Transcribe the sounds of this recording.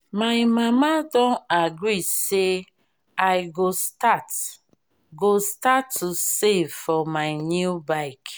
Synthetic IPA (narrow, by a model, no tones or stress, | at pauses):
majmamadɔ̃naɡɹise | ajɡostat | ɡostatʰːusevfɔmaɪnjubaɪk